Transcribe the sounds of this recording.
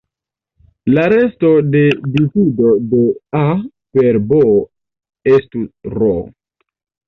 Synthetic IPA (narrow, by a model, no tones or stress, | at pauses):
laɾe̞sto̞de̞disido̞dea | pe̞ɾbo | estusro